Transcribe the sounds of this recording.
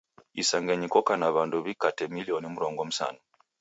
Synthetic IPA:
isaŋɡeɲikɔkanaβanduβikatɛmiliɔnimuɾɔŋɡɔm̩sa̰no

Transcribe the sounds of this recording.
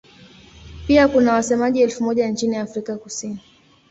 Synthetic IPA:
piakunawasɛmaʄiɛlfumɔʄant͡ʃiniafɾikakusini

